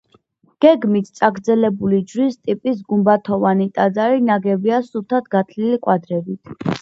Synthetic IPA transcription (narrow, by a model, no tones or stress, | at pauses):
ɡ̥ɛɡmit̪ʰt̪sʼaɡɾd̪zɛlɛbulid͡ʒɾist̪ʼipʼisɡumbat̪ʰɔvanit̪ʼad̪zaɾinaɡɛbiasut̪ʰat̪̚ʰɡat̪ʰlilikʼwad̪ɾɛbit̪ʰ